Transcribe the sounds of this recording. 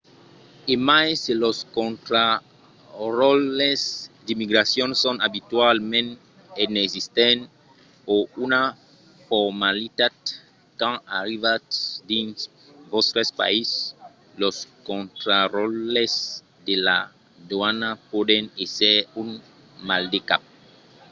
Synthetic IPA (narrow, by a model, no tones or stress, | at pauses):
emajseloskõnt̪ɾa | rɔlesd̪imiɡɾasjɔ̃nsɔ̃nabit̪walmẽn | enezist̪ẽn | ouna | fɔɾmalit̪ad̪ | kãa̰ɾivat̪d̪ĩns | vost̪ɾespa̰is | loskɔ̃nt̪ɾarɔles | d̪ela̰ | d̪wanapod̪ẽnesɛun | mald̪eka̰p̚